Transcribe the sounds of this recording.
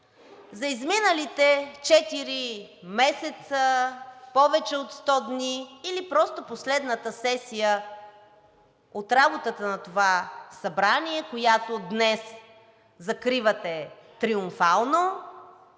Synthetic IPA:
zɐizminəlit̪ɛt͡ʃɛt̪iɾimɛsɛt̪səpɔvɛt͡ʃɛot̪st̪ɔd̪niːlipɾɔst̪oposlɛd̪nət̪əsɛsijə | ot̪ɾabot̪ət̪ənɐt̪ovasɐbɾaniɛkojat̪od̪nɛs | zɐkɾivɐt̪ɛt̪ɾiʊɱfalˠno

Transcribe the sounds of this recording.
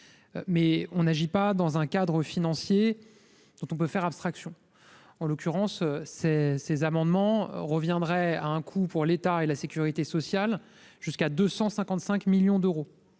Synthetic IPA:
mɛɔ̃naʒipad̪ɑ̃zɛ̃kad̪ʁəfinɑ̃sje | d̪̥ɔ̃t̪ɔ̃p̬øfɛʁapst̪χaksjɔ̃ | ɑ̃lɔkʲyʁɑ̃søsesezamɑ̃d̪mɑ̰̃ʁəvjɛ̃d̪ʁɛaɛ̃kʰupuʁlet̪aelasekʲyʁit̪esɔsjal | ʒ̥yskad̪øsɑ̃sɛ̃kɑ̃t̪sɛ̃kmiljɔ̃d̪øʁo

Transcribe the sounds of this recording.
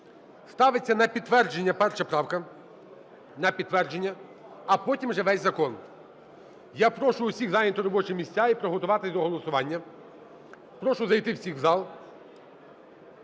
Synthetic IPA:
st̪ɑʋɪt͡sʲːɐnɐpʲit̪ːʋɛrd͡ʒenʲːɐpɛrʃɐpɾɑwkɐ | nɐpʲid̪t̪ːʋɛrd͡ʒenʲːɐ | ɐpɔtʲimʒɛʋɛzʲzɐkɔn | japɾɔʃʊʊsʲiɣzɑlʲint̪ɔɾɔbɔt͡ʃɪmʲisʲt͡sʲaipɾɔɦɔt̪ʊʋɑt̪ɪzʲd̪ɔɦɔlˠɔsʊʋɑnʲːɐ | pɾɔʃʊzɐjt̪ɪwsʲixwzɑlˠ

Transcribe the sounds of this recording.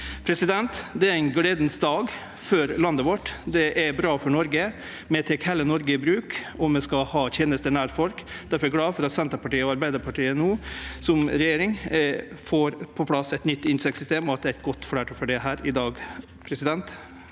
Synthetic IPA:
pʰɾɛsɪd̪ɛnt̪d̪ɛæɾæɪnɡleːd̪n̩sd̪ɑːɡ | fœɾlɑnd̪əʋɔʈːd̪ɛʔɛbɾɑːfɔɳɔɾɡə | mɛt̪ʰɛkhɛlːənɔɾɡəɪbɾʉːkɔmmɛskɑhɑːçɛːnəst̪ənæːɾfɔlkd̪̥æɾfɔɾɛɡɽɑːʋfɔɾɑt̪sɛnt̪əɾpɑʈiːəɔɑɾbæɪd̪əɾpʰɑʈiːənuːsɔmɾɛjeːɾɪŋ | foːɾpʰɔpʰlɑsɛt̪nʏt̪ːɪnsɛksʏst̪eːmɔɑt̪̚d̪ɛːæɪt̪̚ɡɔt̪ːfɔɽæːʈɔfɔɖɛɦæːɾɪd̪ɑːɡ | pʰɾɛsɪd̪ɛnt̪

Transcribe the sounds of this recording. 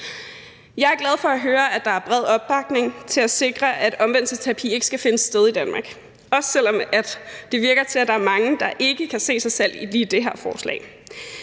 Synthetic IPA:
jɑ̈ɪæɐɡ̥læð̞ˠfɒ̽æɦøːɐʔæd̥ɑ̈æɐb̥ʁɛð̞̰ˠɒ̽b̥ːɑ̈ɡ̥ne̝ŋt͡sʰe̝læse̝ɡ̥ʁɐʔæ̥ɒ̽mʋen̰l̩səst͡sʰæpʰḭe̝ɡ̥əsɡ̥æfe̝nəsːd̥eð̞ˠid̥ænmɑ̈ːɡ̥ | ɒ̽ssel̰ɒ̽mæd̥ːe̝ʋiɐɡ̥ɐt͡sʰe̝læd̥ɑ̈æɐmɑ̈ŋəd̥ɑ̈ʔe̝ɡ̥əkʰæse̝̰ːsɑ̈ɪsel̰iliːd̥e̝ɦæɐ̰fɒːslɛ̰ɪ

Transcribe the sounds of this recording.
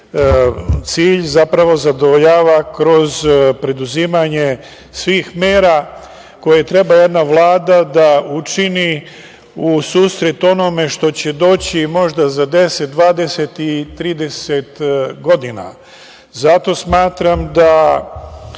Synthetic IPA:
t̪siːʎzapɾaʋo̞zad̪o̞ʋoʎaːʋakɾo̞zpɾe̞d̪uziːmaɲe | sʋiːxmeːɾa | ko̞jet̪ɾe̞baje̞d̪naʋlˠaːd̪ad̪aut͡ʃini | usuːsɾe̞t̪o̞no̞me̞ʃt̪o̞t͡ɕe̞d̪o̞ːt͡ɕimo̞ʒd̪azad̪e̞se̞t̪̚d̪ʋaːd̪e̞set̪it̪ɾiːd̪e̞set̪ɡo̞d̪ina̰ | zat̪o̞smaːt̪ɾamd̪a

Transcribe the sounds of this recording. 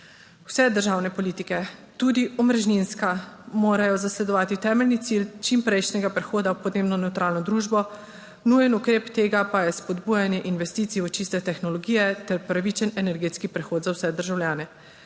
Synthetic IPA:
w̥sɛd̪əɾʒaːwnɛpɔliːt̪ikɛt̪uːd̪iɔmɾɛʒninskamoːɾajɔzaslɛd̪ɔʋaːt̪it̪ɛːmɛlnit̪silt͡ʃimpɾɛjʃnɛɡapɾɛxoːd̪awpɔd̪neːbnɔnɛwt̪ɾaːlnɔd̪ɾuːʒbɔ | nuːjɛnukɾeːpt̪eːɡapajɛspɔd̪buːjanjɛʔinʋɛst̪it̪siɔt͡ʃist̪ɛt̪ɛxnɔlɔɡijɛt̪ɛɾpɾaʋit͡ʃənɛnɛɾɡeːt̪skipɾɛxoːt̪zawsɛd̪əɾʒawlʲjaːnɛ

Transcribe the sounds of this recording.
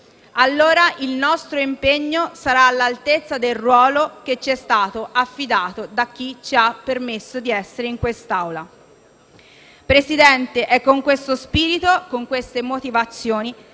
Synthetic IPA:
alːoːɾaʔilnɔst̪ɾoimpeɲːosaɾaːlːalt̪et̪sːad̪elrwɔːloket͡ʃːiɛst̪aːt̪oʔafːid̪aːt̪od̪ak̟ːit͡ʃiapːermesːod̪iɛsːeɾeiŋkwest̪awla | pɾesid̪ɛnt̪eʔɛkːoŋkwest̪ospiːɾit̪okoŋkwest̪emot̪ivat̪sːjoːni

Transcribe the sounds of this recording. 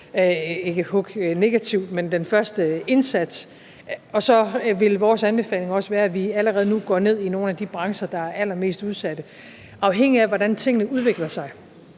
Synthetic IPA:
e̝ɡ̥əhɔɡ̥ne̝ɡ̥æt͡sʰiʊ̰̥mend̥enfɶɐsd̥əe̝nsæd̥s | ɒ̽sɒ̽ʋe̝lʋɒːsænb̥e̝fɛ̰ːle̝ŋɒ̽səʋæːɐæʋiæləʁɛːð̞̩ˠnuɡ̥ɒ̰ːne̝ð̞̰ˠino̝ːnæd̥ib̥ʁɑ̈ŋsɐd̥ɑ̈æɐælɐme̝̰ːsd̥uð̞ˠsæd̥ə | ɑ̈ʊɦeŋ̰iæʋɒdænt͡sʰe̝ŋ̰ənəuð̞ˠʋe̝ɡ̥lɐsɑ̈ɪ

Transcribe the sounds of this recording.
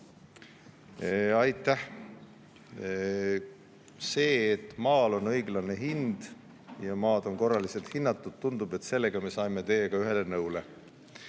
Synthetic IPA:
ɑjt̪ːˑæh | se̞ːt̪ːˑmɑːlo̞nɤjɡlɑne̞ɦind̪̥ | jɑmɑːd̪̥o̞nko̞rːɑlise̞lt̪hinːɑt̪ːˑud̪̥t̪und̪ub̥e̞t̪se̞lːeɡ̥ɑme̞sɑjme̞t̪e̞jeɡ̥ɑyɦe̞le̞nɤuwle̞

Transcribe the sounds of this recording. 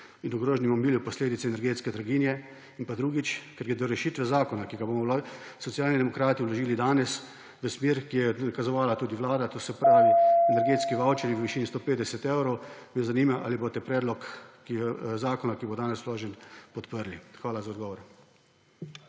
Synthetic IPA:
inɔɡɾoːʒnimɔmiːljupɔsleːd̪it̪sɛːnɛɾɡeːt̪skɛd̪ɾaɡinjɛ | inpad̪ɾuːɡit͡ʃkɛɾɡɛd̪ɔɾɛʃiːt̪ʋɛzaːkɔnakiɡabomɔlsɔt̪sjaːlnid̪ɛmɔkɾaːt̪iwlɔʒiːlid̪aːnɛs | ʋəsmiːɾkijɛkazɔʋaːlat̪uːd̪iʋlaːd̪at̪oːsɛpɾaːʋiɛnɛɾɡeːt̪skiʋawt͡ʃɛniʋəʋiʃiːnist̪oːpeːd̪ɛsɛt̪ewɾɔwmɛjɛzaniːmaʔa̰liboːt̪ɛpɾɛːd̪lɔkːizaːkɔnakibod̪aːnɛsloːʒɛnpɔt̪pəɾlixʋaːlazaɔd̪ɡɔːʋɔɾ

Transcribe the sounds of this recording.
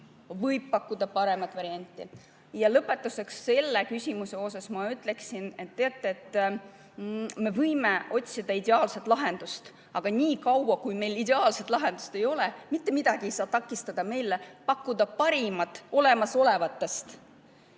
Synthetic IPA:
vɤjb̥̚pɑkːud̪̥ɑpɑɾe̞mɑt̪ːˑvɑɾiɑnʲt̪ːˑḭ | jɑlɤpːe̞t̪ːˑuse̞ksːe̞lːekysʲimuse̞o̞s̬ɑsmɑyt̪ːˑle̞ksinet̪ːeɑt̪ːˑeːt̪ːˑ | me̞vɤjme̞o̞t̪ʲsid̪̥ɑid̪e̞ɑːlset̪ˑlɑɦe̞nd̪̥ust̪ | ɑɡ̥ɑnʲiːkɑwwɑkujme̞jlid̪e̞ɑːlse̞t̪ˑlɑɦe̞nd̪̥u̥st̪e̞jo̞lemit̪ːe̞mid̪̥ɑɡ̥ie̞jsɑːt̪ɑkˑːist̪ɑd̪̥ɑme̞jlːepɑkːud̪̥ɑpɑɾimɑt̪ːˑo̞le̞mɑso̞le̞vɑt̪ːe̞st̪

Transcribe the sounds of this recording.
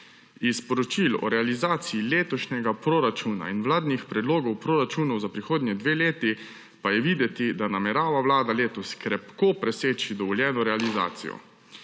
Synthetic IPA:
ispɔɾɔt͡ʃilɔ̰ɾɛalizaːt̪siileːt̪ɔʃnʲɛɡapɾoɾat͡ʃuna̰inʋlaːd̪nixpɾɛd̪loːɡɔwpɾoːɾat͡ʃuːnɔwzapɾixoːd̪nʲɛd̪ʋeːleːt̪i | pajɛʋiːd̪ɛt̪id̪anamɛɾaːʋaʋlaːd̪aleːt̪ɔskɾɛpkoːpɾɛseːt͡ʃid̪ɔʋɔljɛːnɔɾɛaliza̰ːt̪sḭjɔ̰

